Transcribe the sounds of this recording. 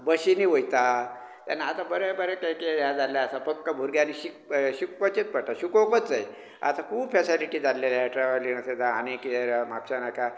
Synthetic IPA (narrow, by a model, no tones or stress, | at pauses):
bəɕiniʋojt̪a | t̪a̰nːaat̪abəɾɛbəɾɛkajkead͡zaljaəsapəkːabʱuɾɡjaniɕikɕik̚ʋət͡ɕet͡s̪pəɽʈ̪aɕukokət͡sd͡zaj | a̰t̪akʰuːbfɛsiliʈiːd͡zalːelaʈɾaʋəɾlinased̪ʱa̰ːnekieɾamakɕanakʰa